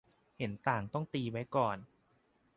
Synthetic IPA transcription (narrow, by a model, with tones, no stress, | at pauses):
he˩˦nt̪aː˨˩ŋt̪ɔ˥˩ŋt̪iː˧wa˦˥jkɔː˨˩n